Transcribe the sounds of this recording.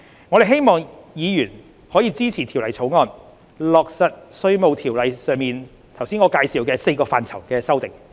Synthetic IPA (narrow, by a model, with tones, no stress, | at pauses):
ŋɔː˨˧ɾe˨jɦe˥jmɔː˨˩ŋjiː˨˧jyː˨˩n | hɔː˨˥jiː˨˧t͡siː˥t͡sʰiː˨˩t̪ʰi˨˩wlɐ˨jt͡sʰo˨˥wŋɔː˧n | lɔː˨k̚sɐ˨t̚sɵ˧ɥmo˨˧wt̪ʰiː˨˩wlɐ˨jsœː˨˧ŋmiː˨n | t̪ʰɐ˨˩wsiː˥nŋɔː˨˧kaː˧jsiː˨˧wkɛː˧se˧jkɔː˧faː˨nt͡sʰɐ˨˩wkɛː˧sɐ˥wt̪ɪ˨˩ŋ